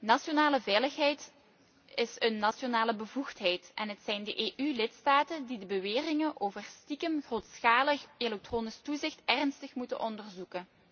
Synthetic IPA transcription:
nɑsonaːləvɛjləxɦɛjt | ɪsənːɑsonaːləbəvuxtɦɛjtʔɛnɦətsɛjndəʔeːʔylɪtstaːtəndidəbəʋeːrɪŋənʔoːvərstikəmxroːtsxaːləxelɛk̚troːnɪstuzɪxtɛrnstəxmutə̰nʔɔndərzukə

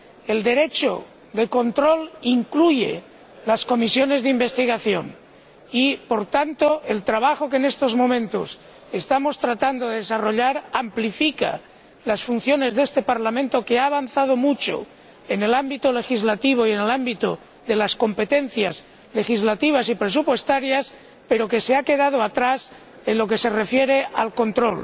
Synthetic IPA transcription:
eld̪eɾet͡ʃo̰ | d̪eko̞nt̪ɾoliŋkluʝḛ | lasko̞misjonezðimbest̪iɣ̞aθjon | ipoɾt̪ant̪oelt̪ɾaβ̞axokenest̪ozmo̞mẽnt̪o̰s | est̪amost̪ɾat̪and̪oðeðesaroʎaɾamplifika̰ | lasfun̟θjone̞zðest̪e̞paɾlamẽnt̪o̞keaːβ̞anθað̞omut͡ʃo̰ | ene̞lambit̪ole̞xizlat̪iβ̞oienelambit̪o | ðe̞lasko̞mpet̪en̟θjaz | le̞xizlat̪iβ̞asipɾesupwe̞st̪aɾjas | peɾo̞keseake̞ðað̞oat̪ɾas | enlo̞kese̞refjeɾealko̞nt̪ɾol

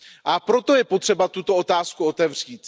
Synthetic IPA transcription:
ʔapɾo̞t̪o̞jɛpot̪r̝̥ɛbat̪ut̪o̞ot̪aːskuo̞t̪ɛvr̝̥iːt̪

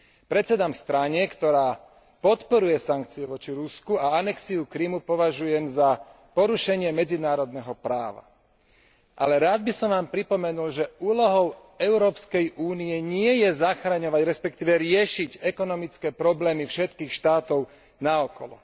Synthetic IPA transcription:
pɾɛt͡sɛd̪aːmst̪ɾaɲɛkt̪ɔɾaː | pɔt̪pɔɾujɛsaŋkt͡siɛʋɔt͡ʃiɾuskuaanɛksiukɾimupɔʋaʒujɛmza | pɔɾuʃɛɲɪɛmɛd͡zinaːɾɔd̪nɛɦɔpɾaːʋa̰ | ʔa̰lɛɾaːd̪̚bisɔmʋaːmpɾipɔmɛnulʒɛuːlɔɦɔʊ | ɛʊɾɔːpskɛjʔuːniɛɲɪɛjɛzaxɾaɲɔʋaɟɾɛspɛk̚t̪iːʋɛɾɪɛʃiɟɛkɔnɔmit͡skɛːpɾɔblɛːmifʃɛt̪kiːxʃt̪aːt̪ɔʊ | naɔkɔ̰lɔ̰

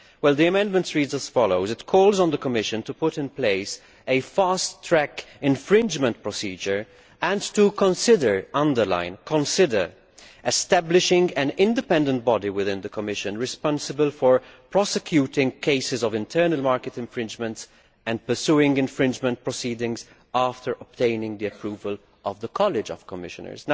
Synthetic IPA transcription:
wɛlˠd̪iəmɛ̃ndmə̃ntsɹiːdzəsfɔloʊzɪtkʰɔːlzn̩d̪əkɔmɪʃɨ̃ntupʊtɪ̃npleɪs | efaːstʰːɹɛkɪ̃nfɹɪ̃nd͡ʒmə̃nt̚pɹɔsiːd͡ʒəɹ | æ̃ntukɔ̃nsɪdəɹʔʌ̃ndə˞lã̰ɪ̃nkʰɔ̃nsɪdə˞ | ɛstæblɪʃɪ̃ŋɡæ̃nɪ̃ndɪpɛ̃ndə̃nt̚bɔdiwɪðɪ̃nd̪əkɔmɪʃə̃nɹɪspɔ̃nsəbəlfɔɹpʰɹɔsɛkʰjuːtɪ̃ŋkʰeɪsɪzɔvɪ̃ntʰəːnəlmaːɹkɛtɪ̃nfɹɪ̃nd͡ʒmə̃nts | ɛ̃ndpə˞suːɪ̃ŋɡɪ̃nfɹɪ̃nd͡ʒmə̃nt̚pɹɔsiːdɪ̃ŋz | aːftəɹʔɔp̚tẽɪnɪ̃ŋɡd̪iəpʰɹuːvəl | ʔɔvðəkʰɔlɪd͡ʒɔv̥kɔmɪʃə̰nə̰˞z

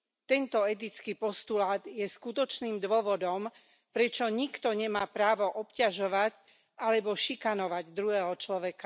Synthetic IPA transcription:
t̪ɛnt̪ɔɛt̪̬it͡skiːpɔst̪ulaːd̪jɛskut̪ɔt͡ʃniːmd̪ʊɔʋɔd̪ɔm | pɾɛt͡ʃɔɲikt̪ɔɲɛmaːpɾaːʋɔʔɔpcaʒɔʋac | alɛbɔʃikanɔʋaɟd̪ɾuɦɛːɦɔt͡ʃlɔʋɛka

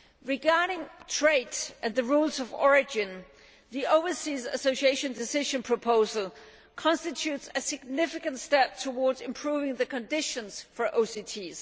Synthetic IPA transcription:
ɹɪɡɑɹɾɪ̃ŋtʰɹ̥eɪɾʔɨ̃nðɨɹulˠzʌvɔɹɪd͡ʒɪ̃n | ðioʊvəsiːzɨsoʊsieɪʃɨ̃ndɪsɪʒə̃npʰɹ̥əpʰoʊzəl̩ˠ | kʰɑ̃nstɨtʰʉtsɨsɪɡ̚nɪfɪkə̃ntstɛp̚tʰəwɔɹdzɨ̃mpʰɹ̥uːvɪ̃ŋðɨkʰɨ̃ndɪʃə̃nz̥fə˞ʔoʊsitʰiz̥

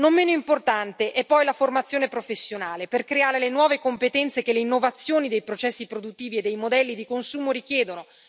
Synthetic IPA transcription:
nommːeːnoimport̪ant̪eʔɛpːɔjlaformat̪sːjoːnepɾofesːjonaːleperkɾeaːɾelenwɔːvekompet̪ɛnt̪sekeleinːovat̪sːjoːnid̪ejpɾot͡ʃɛsːipɾod̪ut̪ːiːvied̪ːejmod̪ɛlːid̪ikonsuːmoɾik̟jɛːd̪ono

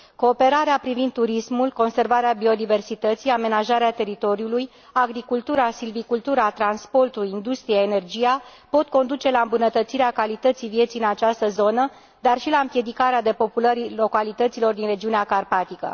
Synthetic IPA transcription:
koːpe̞ɾaɾeapɾivind̪ːuɾismulko̞nse̞rvaɾeabio̞d̪ive̞rsit̪ət̪sijame̞naʒaɾeat̪e̞ɾit̪o̞ɾiuluj | aɡɾikult̪uɾasilvikult̪uɾat̪ɾanspo̞rt̪uluind̪ust̪ɾijaene̞rd͡ʒijapo̞t̪̚ko̞nd̪ut͡ʃe̞laɨmbunət̪ət̪siɾeakalit̪ət̪sijvje̞t̪siɨnat͡ʃast̪əzo̞nə | d̪arʃilaɨmpje̞d̪ikaɾead̪e̞po̞puləɾilo̞kalit̪ət̪silo̞rd̪inre̞d͡ʒiuneakarpat̪ikə̰

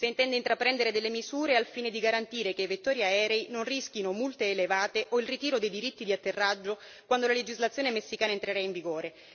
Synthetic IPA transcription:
seint̪ɛnd̪eint̪ɾapːɾɛnd̪eɾed̪elːemizuːɾealfiːned̪iɡaɾant̪iːɾekeivet̪ːɔːɾjaɛːɾɛinonrisk̟inomult̪eːlevaːt̪eʔoilrit̪iːɾod̪ejd̪iɾit̪ːid̪iat̪ːerːad͡ʒːo | kwand̪olaled͡ʒizlat̪sjoːnemesːikaːnaent̪ɾeɾaiɱviɡoːɾe

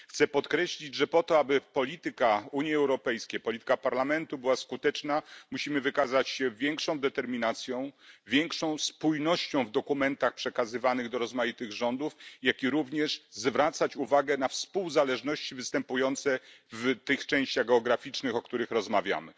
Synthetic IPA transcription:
xt̪sɛpɔt̪kɾɛɕlʲid͡ʑʐɛpɔt̪ɔabɘpɔlʲit̪ɘkauɲjiɛwɾɔpɛjskʲejpɔlʲit̪ɘ̥kapaɾlamɛnt̪ubɘwaskut̪ɛt͡ʂnamuɕimɘvɘkazat͡ɕɕɛvʲjɛŋkʂɔ̃w̃d̪ɛt̪ɛɾmʲinat̪sʲjɔ̃w̃vʲjɛŋkʂɔ̃w̃spujnɔɕt͡ɕɔ̃w̃vd̪ɔkumɛnt̪axpʂɛkazɘvanɘɣd̪ɔɾɔzmajit̪ɘɣʐɔnd̪ufjakʲiɾuvɲɛʂzvɾat̪sat͡ɕuvaɡɛnafspuwzalɛʐnɔɕt͡ɕivɘst̪ɛmpujɔnt̪sɛvt̪ɘxt͡ʂɛ̃ɕt͡ɕaɣɡɛɔɡɾafʲit͡ʂnɘxɔkt̪uɾɘxɾɔzmavʲja̰mɘ

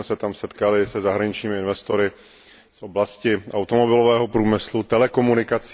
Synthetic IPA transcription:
ɛsɛt̪amsɛt̪kalɪsɛzaɦɾaɲɪt͡ʃɲiːmɪɪnvɛst̪oɾɪ | fʔo̞blascɪʔawt̪omobɪlovɛːɦopɾuːmɪslut̪ɛlɛko̞munɪkat͡s

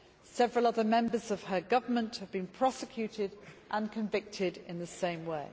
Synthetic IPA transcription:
sɛvɹəlˠʌðəmɛ̃mbəzəv̥əɡʌvəmə̃nthəvbĩnpʰɹ̥ɒsɪkʰj̥ʉˑtʰɪdʔə̃nkʰə̃ɱvɪk̚tʰɪdɪ̃nðəsẽɪ̃mweɪ

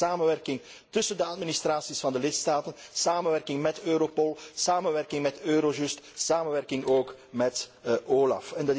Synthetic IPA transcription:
aːmənʋɛrkɪŋ | tɵsəndəɑtminist̪raːsisfɑndəlɪtstaːtənsaːmənʋɛrkɪŋmɛtøːɾopɔlˠsaːmənʋɛrkɪŋmɛtøːɾoʒʉstsaːmənʋɛrkɪŋoːk | mɛtʔoːlɑ̰fɛndɑt

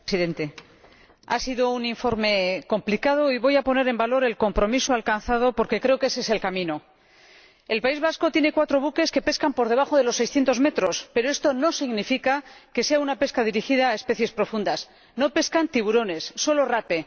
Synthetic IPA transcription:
siðe̞nt̪e̞ | a̰siðo̞uniɱfo̞ɾme̞ko̞mplikað̞o̞iβo̞japo̞ne̞ɾembalo̞ɾe̞lko̞mpɾo̞misoalkanθað̞o̞po̞ɾke̞kɾe̞o̞ke̞seselkamĩno̞ | elpaizβasko̞t̪jene̞kwat̪ɾo̞βuke̞ske̞pe̞skampo̞ɾðe̞β̞axo̞ð̞e̞lo̞sːe̞jsθje̞nt̪o̞zme̞t̪ɾo̞spe̞ɾo̞e̞st̪o̞no̞siɣnifikake̞se̞aunape̞skaðiɾixiðaːe̞spe̞θje̞spɾo̞fund̪as | no̞pe̞skant̪iβuɾo̞ne̞sːo̞lo̞rape̞

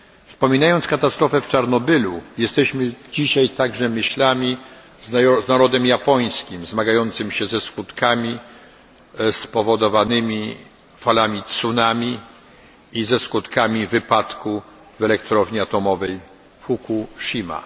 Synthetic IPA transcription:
fspɔmʲinajɔnt̪skat̪ast̪ɾɔfɛft͡ʂaɾnɔbɘlujɛst̪ɛɕmɘd͡ʑiɕajt̪aɡʐɛmɘɕlamʲi | zznaɾɔd̪ɛmjapɔj̃skʲimzmaɡajɔnt̪sɘmɕɛzɛskut̪kʰamʲi | spɔvɔd̪ɔvanɘmʲi | falamʲit̪sunamʲi | izɛskut̪kamʲivɘpat̪ku | vɛlɛkt̪ɾɔvɲiat̪ɔmɔvɛj | fukuʂima̰

